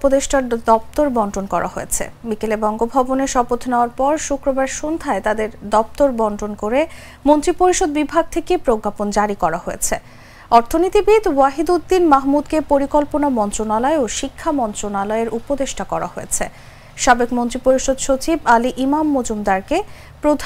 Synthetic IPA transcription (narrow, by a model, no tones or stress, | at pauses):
pod̪eʃʈaɾd̪ɔp̚t̪oɾbɔɳɖonkɔɾʔa̰ɦojet͡ɕʰḛbikelebɔŋɡobʱaboneʃɔbot̪ʰneoaɾpɔɾʃukɾobaɾʃond̪ʱaet̪ad̪eɾd̪ɔp̚t̪oɾbɔnɖonkoɾe | mont̪ɾipoɾiʃod̪̚bibʱaɡ̚t̪ʰekepɾoɡːapond͡ʑaɾikɔɾahojḛt͡ɕʰe | ɔɾt̪ʰonit̪ibid̪waɦid̪ud̪ːinmaɦmud̪kepoɾikɔlponamɔnt̪ɾonalaeoʃikʰːamɔnt̪ɾonalɔeɾʔupod̪eʃʈakɔɾa̰ɦojet͡ɕʰe | ʃabekmont̪ɾipoɾiʃod̪ʃot͡ɕibaliʔimamːod͡ʑumd̪aɾke | pɾod̪ʱ